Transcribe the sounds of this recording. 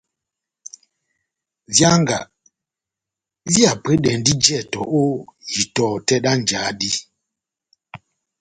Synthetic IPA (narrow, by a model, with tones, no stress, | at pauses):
vja˦ŋ˦ɡa̰˨ | vja˨pe˦ɗɛ˨ndi˦d͡ʒɛ˦˨tɔ˨ʔo˦ji˨tɔ˨tɛ˦ɗa˦n˨d͡ʒa˨˦di˦